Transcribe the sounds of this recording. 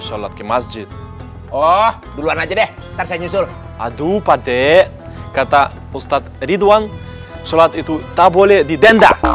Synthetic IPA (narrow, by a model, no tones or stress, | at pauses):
sɔlat̪̚kɛmasd͡ʒit̪̚ | ɔh | duluanad͡ʒadɛh | t̪aɾsaɲusʊl | a̰dupadɛʔ | kat̪a | ust̪at̪̚rid̪wan | sɔlat̪it̪ut̪abolɛdidɛnda̰